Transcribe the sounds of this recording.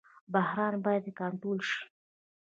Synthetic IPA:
bahɾɑnbɑjad̪ekɑnʈ̪ɾolʃi̥

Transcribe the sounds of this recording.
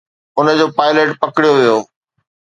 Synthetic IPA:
ʊnə̆d͡ʑoːpaːɪleʈpɐkɪɽijoʋijoː

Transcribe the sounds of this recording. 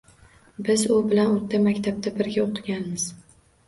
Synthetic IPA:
bɪzʊbɪlanot̪ʰːamakʲt̪ʰab̚t̪abɪɾɡʲaoqʰɨɡʲanmɪz̥

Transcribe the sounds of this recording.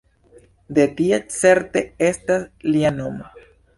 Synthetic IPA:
d̪e̞tiet͡seɾte̞estaslianoma

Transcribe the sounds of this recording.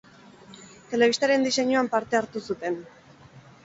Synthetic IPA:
t̪e̞le̞β̞ist̪aɾe̞nd̪ise̞ɲuampaɾt̪e̞aɾt̪usut̪e̞n

